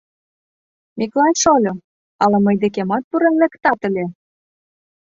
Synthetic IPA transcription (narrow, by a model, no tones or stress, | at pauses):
miklɑnʲʃolʲo | ɑlɑmɤjd̪ekemɑt̪̚puɾenlekt̪ɑt̪ə̆lʲe